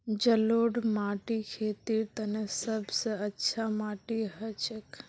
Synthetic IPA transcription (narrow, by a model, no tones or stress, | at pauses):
d͡ʒɐloːɽmaːʈikʰeːt̪iːɾt̪ɐnesɐbsəɐtːʃʰamaːʈiɦɐt͡ʃək